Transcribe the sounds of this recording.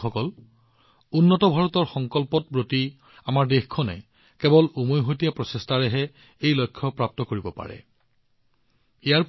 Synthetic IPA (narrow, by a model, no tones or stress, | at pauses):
ɔkɔl | unːɔtɔbʱaɹɔtɔɹxɔŋkɔlpɔt̚bɹoti | amaɹdexkʰːɔnɛ̰ | kɛbɔlumojɦotijapɹɔsestaɹɛɦɛ | ejlojkʰːɔpɹap̚tɔkoɹibɔpa̰ɹɛ̰ | ijaɹp